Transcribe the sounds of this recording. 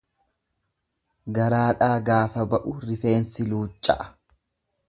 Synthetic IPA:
ɡɐɾaːᶑaːɡaːfɐbɐʔʊɾɪfe̞ːnsɪluːt͡ʃʼːɐ̰ʔɐ̥

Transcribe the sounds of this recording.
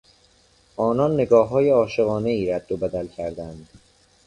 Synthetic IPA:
ʔɒːnɒːnːe̞ɡɒːɦːɒːjeɒːʃeɣɒːne̞iːɾæd̪̚ːobæd̪ælcʰæɾd̪ænd̪̥

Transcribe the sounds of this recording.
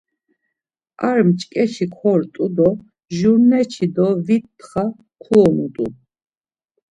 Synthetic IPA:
aɾmt͡ʃʼkʼɛʃʰikʰɔɾt̪ʼud̪ɔ | ʒuɾnɛt͡ʃʰid̪ɔvit̪ːχa | kʰuɔnut̪ʼṵ

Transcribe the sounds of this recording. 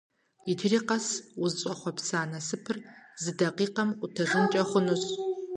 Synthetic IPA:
idʰɨriːqɐswʊzɕʼɐχʷɔpsaːnɐsɨpʰɨrzɨdɐqiːqɐmʷʊtʰɐʐɨnt͡ʃʼɐχʷʊnuɕʼ

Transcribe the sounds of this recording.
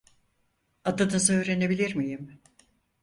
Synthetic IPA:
ad̪ɯnɯzø̞ːɾe̞ne̞bilʲiɾmijim

